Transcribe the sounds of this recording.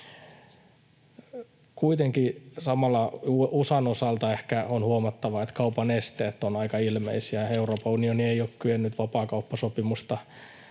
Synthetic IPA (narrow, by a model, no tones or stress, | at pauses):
kuit̪eŋkisɑmɑlːˑɑuʔusɑnosɑlt̪ɑehkæonhuomɑt̪ːɑʋɑet̪kɑupɑnest̪eːt̪ːonɑikɑilmḛisiæeuroːpɑunionieioːkkyønːyt̪ʋɑpɑːkɑupːɑsopimust̪ɑ